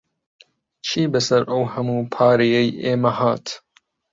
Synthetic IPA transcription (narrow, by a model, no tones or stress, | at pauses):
t͡ʃʰiːbɐsɐɾʔɐwhɐmuːpʰɑːɾejɛjeːmɐhaːt̪